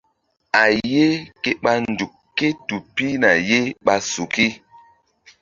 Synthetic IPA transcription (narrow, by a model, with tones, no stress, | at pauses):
a˨je˦ke˦ɓa˦nn˨du˨k | kːe˦tu˨pi˦na˨je˦ɓa˦su˨ki˦